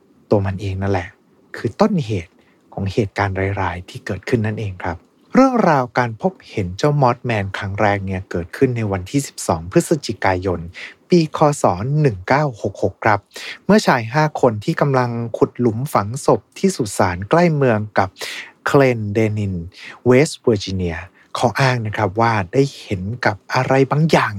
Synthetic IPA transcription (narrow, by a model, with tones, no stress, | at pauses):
t̪u˧ɐma˧nʔeː˧ŋna˦˥nlɛ˨˩ | kʰɯː˧t̪o˥˩nɦeː˨˩t̪̚ | kʰɔː˩˦ŋheː˨˩t̪̚kaː˧nɾaː˧jɾaː˧jt̪ʰiː˥˩kɤː˨˩t̪̚kʰɯ˥˩nːa˥˩nʔeː˧ŋkʰɾa˦˥p̚ | ɾɯ˥˩əŋɾaː˧wkaː˧npʰo˦˥p̚he˩˦nt͡ɕa˥˩wmɔː˦˥t̪̚mɛː˧nkʰɾa˦˥ŋɾɛː˧ŋni˥ɐkɤː˨˩t̪̚kʰɯ˥˩nːa˧jwa˧nt̪ʰiː˥˩si̥˨˩p̚sɔ̰ː˩˦ŋpʰɯ˦˥t̪̚sa˧t͡ɕi˨˩kaː˧jo˧npiː˧kʰɔː˧sɔː˩˦nːɯ˨˩ŋkaː˥˩who˨˩k̚ho˨˩kʰɾa˦˥p̚mɯ˥˩ɐt͡ɕʰaː˨˩jɦaː˥˩kʰo˧nt̪ʰiː˥˩ka˧mla˧ŋkʰu˨˩t̪̚lu˨˩˦mfa˨˩˦ŋso˨˩p̚t̪ʰiː˥˩suː˨˩t̪̚saː˩˦nkla˥˩jmɯ˧əŋka˨˩p̚kʰleː˧ndeː˧ni˧nweː˦˥sbəː˧t͡ɕi˧ni˧˩ɐ | kʰɔː˨˦ʔaː˥˩ŋna˦˥kʰɾa˦˥p̚waː˥˩daː˥˩jhe˩˦nka˨˩p̚ʔa˧ɾa˧jbaː˧ŋjaː˨˩ŋ